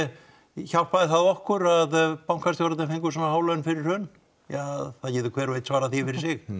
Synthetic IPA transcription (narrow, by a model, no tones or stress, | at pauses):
çawpaðɪθaðɔhkʏɾaðpawŋkʰast̪jowɾat̪ɛnfɪŋkʏsɔnːahaːwlœnfɪɾɪɾ̥hœn | jaθaðcɪːðʏkʰvɛːɾvejt̪svaːɾaθifɪɾɪɾ̥sɪx